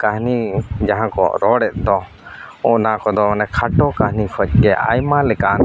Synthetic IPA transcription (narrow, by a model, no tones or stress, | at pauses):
kaɦnid͡ʒaɦãkɔ̰ɾɔɽɛt̪̚ˀd̪ɔ | ɔʔnakɔd̪ɔnɛkʰaʈɔkaɦnikʰɔc̚ˀɡɛʔa̰jmalɛkan